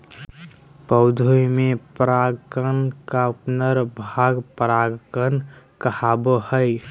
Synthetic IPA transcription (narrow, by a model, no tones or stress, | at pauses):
pəʊd̪ʱojmepɾaɡkənkaupnəɾbʱaɡpəɾaɡkən | kəhabəhəɪ